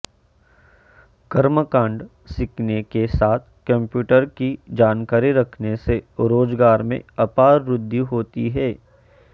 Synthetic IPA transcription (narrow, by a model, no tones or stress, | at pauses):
ɡɐɾməkãːɳɖ | sɪknekesaːt̪ʰkɐ̃mpjuːʈəɾkid͡ʒaːnkaːɾiɾɐkʰneseɾoːzɡaːɾmḛ̃ɐpaːɾɾʊd̪ʱːiɦoːt̪ḭɦɛː